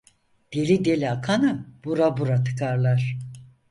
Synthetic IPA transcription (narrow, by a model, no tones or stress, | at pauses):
d̪̥elʲid̪elʲiakʰanɯb̥uɾabuɾat̪ʰɯ̥kʰaɾlˠaɾ̥